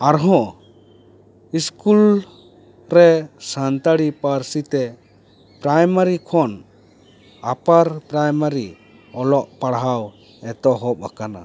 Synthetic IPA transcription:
aɾɦɔ̃ | iskul | ɾɛsant̪aɽipaɾsit̪ɛ | pɾajmaɾikʰɔn | apaɾpɾajmaɾi | ɔlɔʔpaɽɦaw | ɛt̪ɔɦɔpakana̰

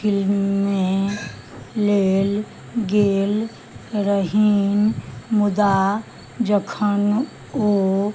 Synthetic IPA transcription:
ɪlmːẽ | leːl | ɡeːl | ɾəɦinmʊd̪a | d͡ʒəkʰən | o

